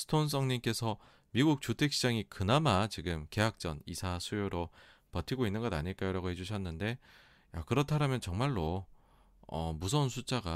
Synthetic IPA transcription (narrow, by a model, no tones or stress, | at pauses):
sʰɯ̥tʰons̬ʰʌŋɲimk͈e̞sʰʌ | miɡuk̚t͡ɕotʰe̞k̚ɕ͈ʰid͡ʑaŋikɯnamat͡ɕiɡɯmke̞ɦak̚t͡ɕ͈ʌ̰nisʰasʰujoɾo | pʌtʰiɡoinːɯnɡʌnaɲiɭk͈ajoɾʌɡoɦe̞d͡ʑuɕ̬ʰʌnːɯnde̞ | jakɯɾʌtʰaɾamjʌnt͡ɕʌŋmaɭːo | ʌ̰musʰʌnsʰut͡ɕ͈aɡa